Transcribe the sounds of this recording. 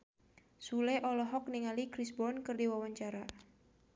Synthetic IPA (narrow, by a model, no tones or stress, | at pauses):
sulɛʔɔlɔɦɔk̚niŋalikɾisbɔnkɨrdiwawaɲt͡ʃaɾa